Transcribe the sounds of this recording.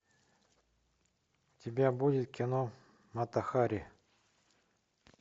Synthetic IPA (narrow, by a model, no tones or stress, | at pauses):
tʲɪbʲabudʲɪt̪kʲɪno | mɐt̪ɐxaɾʲɪ